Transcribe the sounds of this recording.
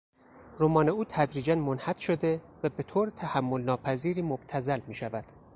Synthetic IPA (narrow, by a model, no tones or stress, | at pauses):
ɾomɒːne̞uːt̪ʰæd̪ɾiːd͡ʒænmonhæt̪ʃod̪e̞ | væbe̞t̪ʰoːɾet̪ʰæhæmːolnɒːpʰæziːɾiːmob̥̚t̪ʰæzælmiːʃævæd̪̥